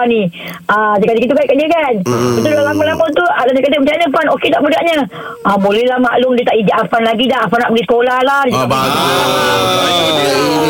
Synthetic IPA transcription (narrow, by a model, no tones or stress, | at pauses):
ani | adakadikit̪̬ukaʔkaʔdiəkanit̪ulalamalamunt̪uadanakadimət͡ʃanəfanoket̪aʔbudaʔɲa | abolɛlamaʔlʊŋdiət̪aʔid͡ʒaʔafanlaɡidaʔafanaʔbəɡisə̥kolalard͡ʒ | aaaa